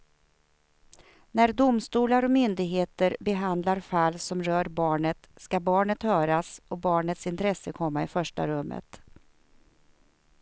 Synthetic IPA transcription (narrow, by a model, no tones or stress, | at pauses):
næɾd̪ʊmst̪uːlaɾɔmʏnd̪ɪɡɦeːt̪əɾbɛɦand̪laɾfalːsɔmɾœːɾbɑːɳət̪skabɑːɳət̪ɾœːɾasɔbɑːɳət̪sɪnt̪ʰɾɛsːəkʰɔmːaɪfœʂʈa̰ɾɵmːə̰t̪